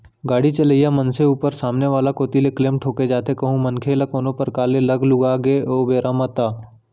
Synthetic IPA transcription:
ɡaːɽit͡ʃələijamənseuːpəɾsaːmneʋaːlakoːt̪ilekleːmʈʰoːked͡ʒaːt̪ekɐɦũmənkʰelakoːnõpɐɾkaːlelɐɡlʊɡaɡeʔoːʋeːɾaːmət̪aː

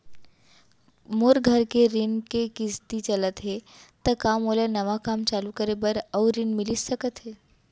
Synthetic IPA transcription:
moɾɡʱəɾkeɾinkekɪst̪it͡ʃələt̪ɦe | t̪əkamolenɐʋakamt͡ʃalukəɾebəɾəɾinmɪlisəkət̪ɦe

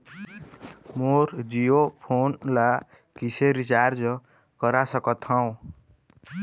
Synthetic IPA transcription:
moɾd͡zijopʰonla | kisʰeɾit͡sard͡zʌ | kʌɾasʌkʌt̪ʰʌw̃

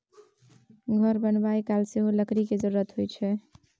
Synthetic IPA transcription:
ɡʱəɾbənbajkalseɦoləkɾiked͡ʒəɾuːət̪ɦojt͡ʃʰɛ

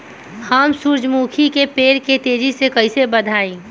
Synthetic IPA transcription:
həmsuɾd͡ʒmuːkʰikepeːɽket̪eːd͡ʒisekɐɪsebəd̪ʱaːẽː

